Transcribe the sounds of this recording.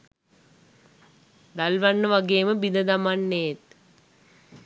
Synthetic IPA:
d̪alʋaɳːəʋaɡeːməbid̪əd̪amanːeːt̪

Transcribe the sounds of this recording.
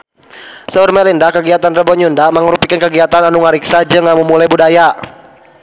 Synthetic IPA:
səurmɛlindakəɡiat̪anrəbɔɲundaməŋəɾupikankəɡiat̪ananuŋaɾiksad͡ʒɨŋamumulajbudaja

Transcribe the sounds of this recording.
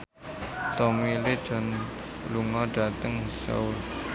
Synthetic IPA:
t̪omili̥ʒ̥ɔ̤n | luŋɔɖ̥a̤t̪əŋsa̰ul

